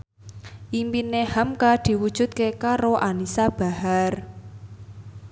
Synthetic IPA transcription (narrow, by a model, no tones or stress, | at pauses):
ʔimpinehamkad̪̥i̤wud̥ʒ̥ṳt̪̚kekaɾoʔanisab̥a̤har